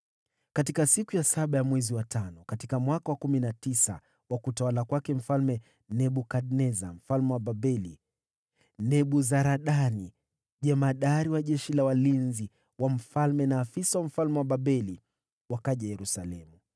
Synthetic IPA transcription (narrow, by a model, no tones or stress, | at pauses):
katikasikujasaɓajamwɛziwatʰanɔkatikamwakawakuminatisa̰ | wakutawalakwakɛm̩falmɛ | nɛɓukaɗnɛza̰m̩falmɛwaɓaɓɛli | nɛɓuzaɾaɗani | ʄɛmaɗaɾiwaʄɛʃilawalinzi | wam̩falmɛnaːfisawam̩falmɛwaɓaɓɛli | wakaʄajɛɾusalɛmu